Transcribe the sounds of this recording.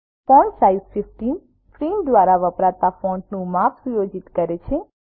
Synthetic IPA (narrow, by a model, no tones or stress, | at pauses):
pɔɳʈsaisfifʈin | fɾimd̪ʋaɾaʋəpɾat̪afɔ̃ɳʈnũmapʰsujod͡ʒit̪kəɾet͡ʃʰe